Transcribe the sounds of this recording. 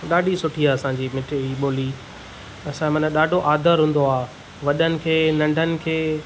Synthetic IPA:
ɗaːɖisʊʈʰiaːɐsãːɲd͡ʑiːmɪʈʰɪiɓoːli | ɐsãmɐnə̃ɗaːɖʱoʔaːd̪ʱəɾɦũːn̆d̪oaːɦ | ʋɐɗənɪ̆kʰeːnɐ̃ɳɖʱənɪ̆kʰeː

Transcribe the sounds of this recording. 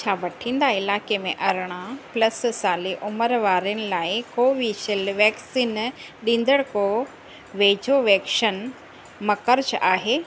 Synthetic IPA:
t͡ɕʰaːʋɐʈʰĩːn̆d̪aɪlaːkemẽʔɐɾɽ̃ãplɐssaːliʔʊməɾʋaːɾiənɪ̆laːɪkoːʋiʃɪlʋɛːksiːnɗĩːn̆d̪əɽkoː | ʋeːd͡ʑʱoʋɛːkʃən | mɐkəɾt͡ɕaːɦeː

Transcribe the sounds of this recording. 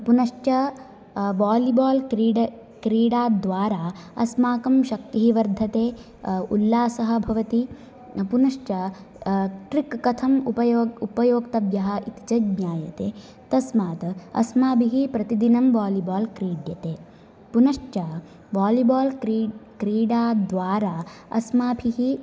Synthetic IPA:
punɐʂt͡ʃɐ | baːlibaːlkɾiɖɐ | kɾiːɽaːd̪ʋaːɾaːɐ̰smaːkɐmʃɐk̚t̪iɦiʋɐɾd̪ʱːɐt̪eː | ulːaːsɐɦɐ̆bʱɐʋɐt̪i | punɐʂt͡ʃɐ | ʈɾikːɐt̪ʰɐmupɐjoːupɐjoːkt̪ɐbjɐɦɐ̆it̪i̥t͡ʃɐɡɲaːjɐ̰t̪eː | t̪ɐsmaːt̪ɐɐ̰smaːbʱiɦipɾɐt̪id̪inɐmʋaːlibaːlkɾiːɖjɐt̪eː | punɐʂt͡ʃɐ | ʋaːlibaːlkɾiːɽaːd̪ʋaːɾaːɐ̰smaːbʰʱiɦi

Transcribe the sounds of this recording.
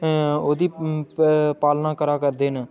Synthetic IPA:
oːd̪iː | paːlnãːkəɾaːkəɾd̪eːnː

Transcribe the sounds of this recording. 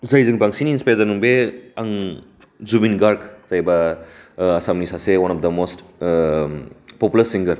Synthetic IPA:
zajzɯŋpaŋsiniːnspajzanuŋbeaŋ | zubinɡaɾkz̥ajbɐː | samnisasewanap̚d̪ɐmost | pɔpjulɐɾsiŋɡɐɾ

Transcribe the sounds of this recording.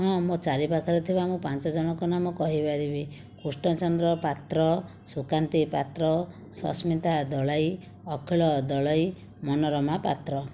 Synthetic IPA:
ɦɔ̃mot͡ʃaɾipakʰaɾɔt̪ʰibaːmupant͡ʃɔd͡ʒɔɽ̃ɔkɔnamɔkɔɦibad̪ibi | kusʈɔt͡ʃɔnd̪ɾɔpat̪ɾɔ | sukant̪ipat̪ɾɔ | sɔ̰smit̪ad̪ɔɭaj | ɔkʰiɭɔd̪ɔɭaj | mɔnɔɾɔmapat̪ɾɔ

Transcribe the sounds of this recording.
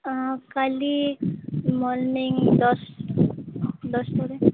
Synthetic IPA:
kali | mɔlnɪŋd̪ɔs | d̪ɔsʈ̪oɾe

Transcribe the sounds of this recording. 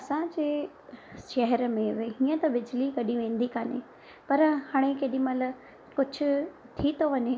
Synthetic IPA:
ɐsãd͡ʑeː | ʃɐɦɛɾmẽʋeɦiːə̃t̪ɐʋɪd͡ʑlikɐɗĩʋẽːn̆d̪ikaːnḛ | pɐɾhaːɽ̃ekeːɗĩmɐlə | kʊd͡ʑʱʊ̆ | t̪ʰit̪ʰoʋɐɲe

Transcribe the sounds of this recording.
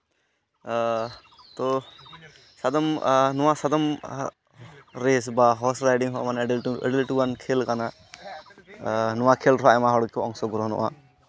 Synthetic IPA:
t̪ɔ | sad̪ɔmnɔwasad̪ɔm | ɾɛs̬baɦɔsɾajɖiŋɦɔʔmanɛɛ̰ɖɛlʈuwankʰɛlkana | nɔwakʰɛlɾɔaɛmaɦɔɽkɔʔɔŋsɔɡuɾɔnɔ̰ʔa̰

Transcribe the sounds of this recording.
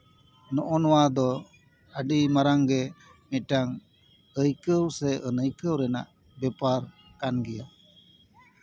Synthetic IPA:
nɔʔɔnɔwad̪ɔ | əɖimaɾaŋɡɛ | mɛʈaŋ | əjkəwsɛʔənəjkəwɾɛna̰ʔ | bɛpaɾ | kanɡɛja

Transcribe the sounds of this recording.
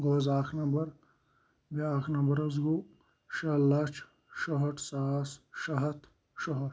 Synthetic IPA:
ɡoːzaːxnɐmbɐɾ | beaːxnɐmbɐɾɐzɡu | ʃɐlɐt͡ʃʰ | ʃoɦɐʈʰsaːsʃɐɦɐt̪ʰ | ʃoɦɐʈ

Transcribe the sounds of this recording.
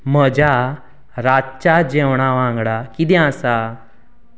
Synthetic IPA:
m̤əd͡ʑa | ɾatt͡ɕad͡ʑewɳ̃aʋãŋɡɽakid̪ɛ̃asa

